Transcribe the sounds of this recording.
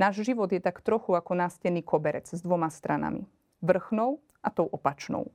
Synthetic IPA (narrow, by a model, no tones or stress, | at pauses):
naːʒʒiʋɔd̪jɛt̪akt̪ɾɔxuakɔnaːscɛniːkɔbɛɾɛd͡zzd̪ʋɔmast̪ɾʔana̰mḭ | ʋr̩xnɔʊ | ʔat̪ɔʊʔɔpat͡ʃnɔ̰ʊ